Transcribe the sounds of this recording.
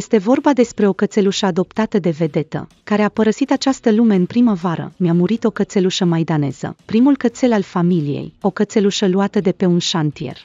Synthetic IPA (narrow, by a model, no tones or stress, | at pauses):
jest̪e̞vo̞rbad̪e̞spɾe̞o̞kət̪se̞luʃəad̪o̞pt̪at̪əd̪e̞ve̞d̪e̞t̪ə̰ | kaɾe̞apəɾəsit̪at͡ʃast̪əlume̞ɨnpɾiməvaɾə̰meamuɾit̪o̞kət̪se̞luʃəmajd̪ane̞̰z̥ə̰pɾimulkət̪se̞lalfamilije̞̰jo̞kət̪se̞luʃəluat̪əd̪e̞pe̞unʃant̪ije̞̰r